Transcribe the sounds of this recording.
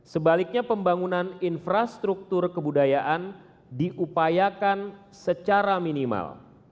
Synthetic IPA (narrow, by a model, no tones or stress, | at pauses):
səbalɪk̚ɲapəmbaŋunaninfɾast̪ɾuk̚t̪ʊrkəbudajaʔan | diʔupajakan | sət͡ʃaɾaminima̰l